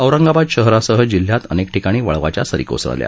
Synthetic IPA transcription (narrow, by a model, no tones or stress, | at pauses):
əʋɾəŋɡabad̪ɕəɦɾasəɦəd͡ʑil̤ːjat̪ənek̚ʈʰikaɽ̃iːʋəɭʋa̰t͡ɕja̰səɾḭko̰sə̰lja̰